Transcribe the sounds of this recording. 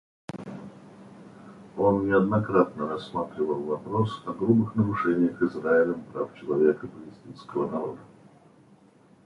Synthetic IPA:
o̞nːʲɪɐd̪nɐkɾat̪nəɾɐsːmat̪ɾʲɪvəlˠvɐpɾo̞sɐɡɾubɨxnəɾʊʂɛnʲɪjəxɨzraɪlʲəmpɾaft͡ɕɪlˠɐvʲekəpəlʲɪsʲtʲinskəvənɐɾo̞d̪ə

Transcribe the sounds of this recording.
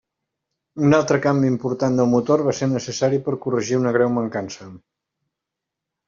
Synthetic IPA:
unalˠt̪ɾəkambiimpuɾt̪and̪əlˠmut̪orβaseɾnəsəsaɾipəɾkurəʒiunəɣ̞ɾɛwməŋkansə

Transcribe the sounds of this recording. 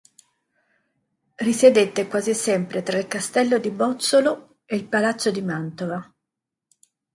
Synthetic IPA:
risjed̪et̪ːekwaːzisɛmpɾet̪ɾailkast̪ɛlːod̪ibɔt̪solo | eilpalat̪sːod̪imant̪ova

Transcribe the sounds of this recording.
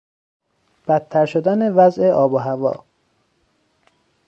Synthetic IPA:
b̥æt̪ʰːæɾʃod̪ænevæzeʔɒːboɦævɒ̰ː

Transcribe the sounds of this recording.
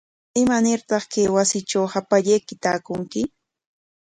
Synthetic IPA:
ɪmanɪɾt̪ɑχkejwasɪt͡ʃawhapaʎejkɪt̪aːkʊŋkɪ

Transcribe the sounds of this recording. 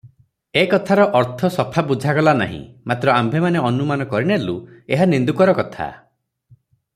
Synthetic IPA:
ekɔt̪ʰaɾɔʔɔɾt̪ʰɔsɔpʰabud͡ʒʱakɔlana̰ɦḭ̃mat̪ɾɔambʱemaneɔnumanɔkɔɾiɽ̃elueɦanind̪ukɔɾɔkɔt̪ʰa̰

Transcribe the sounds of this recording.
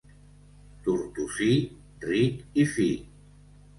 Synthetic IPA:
t̪uɾt̪usi | rikifi

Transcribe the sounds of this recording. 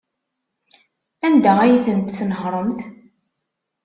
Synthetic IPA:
ænd̪ææjiθənt̪θnəhɾˤəmθ

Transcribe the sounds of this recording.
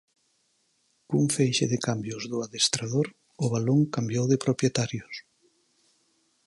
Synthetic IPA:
kuŋfejʃɪðɪkambjʊzðʊaðest̪ɾað̞oɾ | ʊβ̞aloŋkambjowðɪpɾopjet̪aɾjʊs

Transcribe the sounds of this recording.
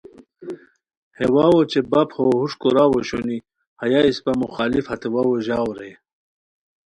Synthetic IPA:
hewawot͡ɕebaphohuʂkoɾaːwoɕoni | hɐjaispamuxaːlifhɐt̪ewawoʑaːwɾe

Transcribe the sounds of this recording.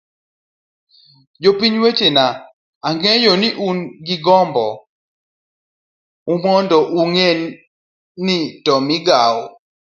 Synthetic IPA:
jopiɲwet͡ʃena | aŋɡɛjonɪʔunɡɪɡɔmbɔ̰ | umɔndɔʔuŋenː | itɔmɪɡao

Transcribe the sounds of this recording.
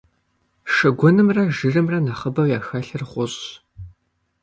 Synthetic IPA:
ʂɐɡʷɔnɨmrɐʒɨrɨmrɐnaχəbɐwjaːxɐɬɨrχʷʊɕʼ

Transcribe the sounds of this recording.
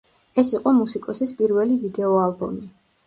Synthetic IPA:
ɛsiqʼɔmusikʼɔsispʼiɾvɛlivid̪ɛɔalˠbɔ̰mi

